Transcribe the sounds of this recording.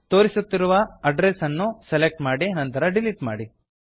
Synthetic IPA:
t̪o̞ːɾisut̪ːiɾuʋɐɐɖɾesɐnːuselek̚ʈmaːɽinɐnt̪ɐɾɐɖiliʈma̰ːɽi

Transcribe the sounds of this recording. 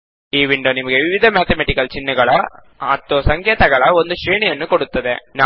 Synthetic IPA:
iːʋɪɳɖoːnɪmɐɣɯʋɪʋɪðʱɐmeːt̪ɐmeʈɪkːɐlt͡ʃɪnːɯɣɐɭa | ɐt̪ːoːsɐŋɡeːt̪ɐɣɐɭaːɔnd̪ɯʃɾiːnijɛnːɯkɔɽɯt̪ːɐðḛːna

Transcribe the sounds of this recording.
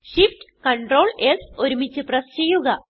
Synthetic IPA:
ɕifʈkɐɳʈro̞ːɭeso̞ɾumit͡ɕːɨprɐst͡ɕe̞jːuɣɐ

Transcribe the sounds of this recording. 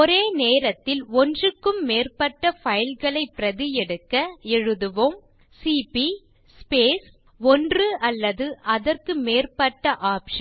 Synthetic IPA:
ɔɾeːneːɾɐt̪ːɪlɔndrɯkːɯmːeːrpɐʈːɐfɐjɪlɣɐɭɐɪpːɪɾɐðɪjɛɽɯkːɐɛɻɯðɯʋom | siːpi | speːs | ɔndrɯʔɐlːɐðɯʔɐðɐrkɯmeːrpɐʈːɐʔaːpʂɐn

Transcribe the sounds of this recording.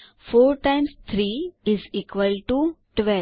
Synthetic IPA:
foːɾʈãɪ̃mst̪ʰɾiːɪziːkʋəlʈuʈʋɛ

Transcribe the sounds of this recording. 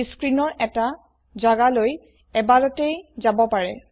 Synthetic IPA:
skɹinɔɹɛta | zaɡaloj | ɛbadɔtejzabɔpaɹɛ

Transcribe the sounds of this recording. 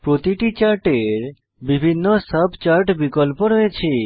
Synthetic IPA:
pɾot̪iʈit͡ʃaɾʈeɾ | bibʱinːɔsəbʱt͡ʃaɾʈbikɔlpɔɾɔet͡ʃʰe

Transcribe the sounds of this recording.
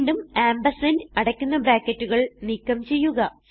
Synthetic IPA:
nɖumaːmbɐsɐnɐɽɐkʲːunːɐbraːkːɐtːuɣɐɭniːkːɐmt͡ɕe̞jːuɣɐ

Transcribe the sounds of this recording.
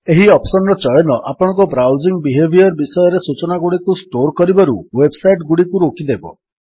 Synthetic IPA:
eɦiɔpsɔnɾɔt͡ʃɔjɔnɔʔapɔɽ̃ŋkɔbɾawd͡ʒiŋbiɦebʱiɔɾbisɔjɔɾesut͡ʃɔnaɡuɽikusʈoɾkɔɾibaɾuwebsajʈɡuɽikuɾokʰid̪ebɔ̰

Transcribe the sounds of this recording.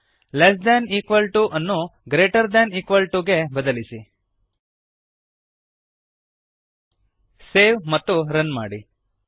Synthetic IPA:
les̬d̪ɛniːkʋɐlʈuʔɐnːuɡɾeːʈɐɾd̪ɛniːkʋɐlʈuɡebɐd̪ɐlisi | seːʋmɐt̪ːuɾɐnmaːɽi

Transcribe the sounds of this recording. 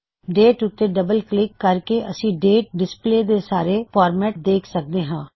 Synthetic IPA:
ɖeːʈʊt̪ːeɖəbəlklɪkːəɾkeʔəsĩːɖeːʈ̚ɖɪspleːd̪eːsaːɾeːpaːɾmɛːʈ̚d̪eːkʰsək̚d̪eːɦãː

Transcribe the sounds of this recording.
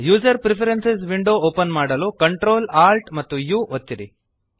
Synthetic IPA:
juːd͡ʒɐɾpɾipʰɐɾensesʋiɳɖoːoːpɐnmaːɽɐlukɐɳʈɾoːlaːlʈmɐt̪ːujuːʔot̪ːiɾi

